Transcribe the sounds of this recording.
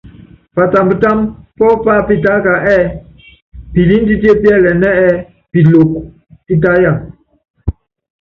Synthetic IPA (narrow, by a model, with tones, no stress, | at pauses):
pa˨ta˨mbə˨ta˦mpɔ˦pa˦˨pi˦ta˦ka˨ʔɛ˦˨ | pi˨li˦n˦di˦ti˦e˦˨pjɛ˦˨lɛ˨nɛ˦ɛ˦ | pi˨lo˨k̚ | ti˦t̬a˦ja˦˨m